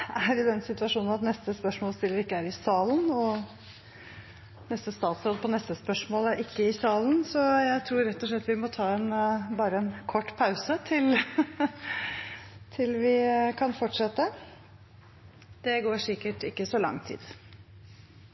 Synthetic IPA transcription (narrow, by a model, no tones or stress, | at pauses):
æɾɪd̪ɛnsɪt̪ʉɑʂuːnn̩ɑt̪nɛst̪əspœʂmoːlst̪ɪlːəʋɾɪkːəæɾɪsɑːlənɔ | nɛst̪əst̪ɑːt̪sɾoːd̪pʰɔnɛst̪əspœʂmoːləɾʔɪkːəɪsɑːln̩sɔjæɪt̪ʰɾuːɾɛt̪ːɔʂ̬ɭɛt̪ːʋɪmɔt̪ʰɑːɛnbɑːɾəɛnkʰɔʈːpʰɑʉsət̪ʰɪl | t̪ʰɪlʋɪkʰɑnfɔʈːʂɛt̪ːə | d̪̥ɛɡoːʂɪkəʈɪkːəsɔlɑ̰ŋːt̪ʰḭːd̪